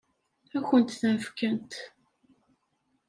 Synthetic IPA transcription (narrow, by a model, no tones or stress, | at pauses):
æçənt̪θænfkənt̪